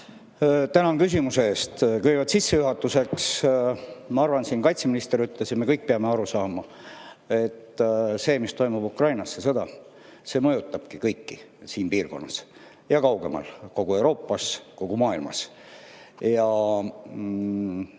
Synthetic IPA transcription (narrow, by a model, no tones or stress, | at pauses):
t̪ænɑnkys̬ʲimuse̞eːst̪kejvɑd̪t̪sisːejuɦɑt̪ːuse̞ks | mɑɑrvɑnsiːnkɑjt̪seminist̪e̞ɾyt̪leset̪me̞kɤjk̚peɑme̞ɑɾusɑːmɑ | e̞t̪ːse̞ːmist̪o̞jmub̥ukrɑjnɑsːesɤ̞d̪ɑ | se̞ːmɤjut̪ˑːɑb̥kikɤjkːisiːnpiːrko̞̰nːɑs | jɑkɑwɡe̞̰mɑ̰lko̞ɡ̥ue̞wɾo̞ːpːɑsko̞ɡ̥umɑːilmɑ̰s | jɑ